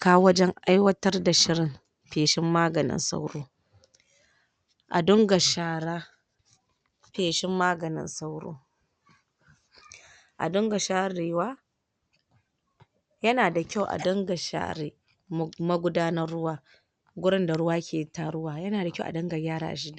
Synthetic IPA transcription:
kaː˦wɐ˦d͡ʒɛ˦ŋʔa˦jwɐ˦tɐ˦rda˨ʃɪ˦ɾɪ˨m | ɸeː˨ʃɪ˦mːaː˦ɡɐ˨nɪ̰˦nsa̰˦wɾoː˦ | ʔa̰˨dʊ˦ŋɡa˨ʃaː˨ɾaː˦ | ɸeː˨ʃɪ˦mːaː˦ɡɐ˨nɪ̰˦nsa˦wɾo̰ː˦ | ʔa̰˨dʊ˦ŋɡa˨ʃaː˦ɾiː˨waː˦ | jɐ˦naː˨da˨kʲa˦˨wʔa̰˨dɔ˦ŋɡa˨ʃa̰ː˨ɾeː˦ | mɐ˦ɡʷʊ˦daː˦nɐ˦rːʊ˦waː˨ | ɡʷʊ˦ɽɪ˦nda˨ɽʊ˦waː˦kʲʰeː˨ta˦ɽʊ˦waː˨jɐ˦naː˨da˨kʲʔa̰˨dɐ˦ŋɡa˨jʲaː˦ɾa̰ː˦ʔa̰˨ʃɪ˦da˨

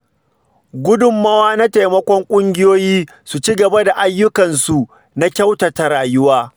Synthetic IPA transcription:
ɡʷʊ˦dʊ˨mːaː˦waː˦na˦ta˨jmɐ˦kʷɔ˦ŋkʷʼʊ˦ŋɡʲɪ˦joː˦jiː˦ | su˨t͡ʃi˦ɡɐ˨ba˦da˨ʔa˦jːʊ˦kɐ˨nsu˨ | na˦kʲɐ˦wtɐ˨ta˨ɾaː˨jʊ˦waː˦

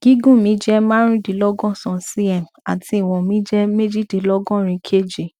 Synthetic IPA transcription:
ɡ̥i˦ɡũ˦˨mĩ˨˦d͡ʒɛ˦ma˦ɾ̃ĩ˦di˨˦lɔ˦ɡɔ̃˦sɔ̃˨si˦ɛ˦˨m | a̰˨tʰi˧˦i˨w̃ɔ̃˨mĩ˨˦d͡ʒɛ˦me˦d͡ʒi˦˨di˨˦lɔ˦ɡɔ̃˦ɾ̃ĩ˧˦kʰe˦˨d͡ʒi˨

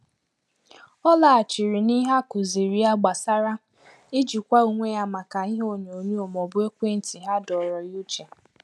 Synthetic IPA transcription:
ɔ˦la˨a˨t͡ʃi˨ɾi˨ni˦ɦa˦kʊ˨zi˨ɾi˨a˦ɡ͡ba˨sa˦ɾa˦ | ɪ˦d͡ʒi˨kʷa˦u˨ŋʷe˦ja˦ma˨ka˨i˦ɦo˦ɲ˨o˨ɲu˦o˨mɔ˨bʊ˦e˦kʷe˦n̩˦ti˨ɦa˦dɔ˨ɾɔ˨ju˦t͡ʃe˨

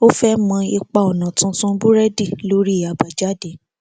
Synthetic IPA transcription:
o˦fɛ˦mã˧i˧k͡pa˨ɔ˨nã˨tũ˧˦tũ˦bu˦ɾɛ˦di˦˨lo˦ɾi˦˨a˨ba˨d͡ʒa˦de˨˦

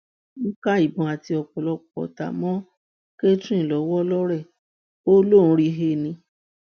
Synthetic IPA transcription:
n̩˦ka˦i˨bɔ̃˨a˨ti˧ɔ˨k͡pɔ˨lɔ˧k͡pɔ̰˨ta̰˨mɔ̃˦ | ke˦tĩ˦˨lɔ˨˦wɔ˦lɔ˦ɾɛ˦˨ | o˦lõ˦˨˧ɾi˧ɦe˧nĩ˧˦

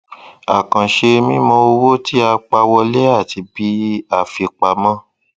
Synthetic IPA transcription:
a̰˨kã˨ʃe˧mĩ˦mɔ̃˧o˧wo˦ti˦a˧k͡pa˧wɔ˧le˦a˦˨ti˧bi˦a˦˨fi˧k͡pa˧mã˦

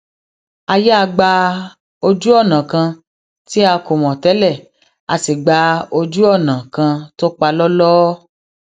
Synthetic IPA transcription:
a˧jɛ˦a˧ɡ͡ba˧ | o˧d͡ʒu˦ɔ˦˨nã˨kã˧ | ti˦a˧ko˨mɔ̃˨tɛ˨˦lɛ˦˨ | a˧si˨ɡ͡ba˧o˧d͡ʒu˦ɔ˦˨nã˨kã˧to˦k͡pa˧lɔ˦lɔː˦

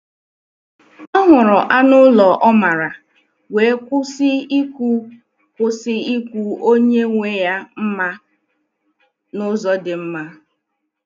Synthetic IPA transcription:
ɔ˦ɦʊ˨ɾʊ˨ʔa˦nʊ˦lɔ˨ʔɔ˦ma˨ɾa˨ | we˨˦kʷʊ˦sɪ˦i˦kʷu˦ | kʷʊ˦sɪ˦i˦kʷu˦o˦ɲe˦ŋʷe˦ja˦m̩˦ma˦ | nʊ˦zɔ˦dɪ˨m̩˦ma˦

